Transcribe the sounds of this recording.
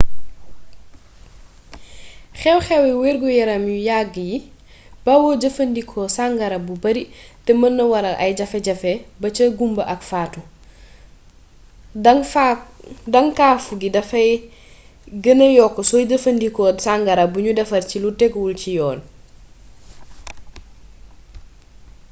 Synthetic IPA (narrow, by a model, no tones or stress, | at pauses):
xɛwxɛwɛwɛɾɡɔjɐɾɐmjujaɡːəji | b̥awɔɟɐfɐndikʰɔsaŋɡɐɾɐbubɐɾitɛmɐnːɐwɐɾɐlʔɐ̰jɟɐfɛɟɐfɛbɐt͡ʃɐɡumbɐʔɐkfaːtu | dɐŋadɐŋkafuɡidɐfɐj | ɡɐnɐjɔkːɔsɔjd͡ʒɐfɐndikɔsaŋɡɐɾɐbuɲudɐfɐrcilutɛkwulcijɔːn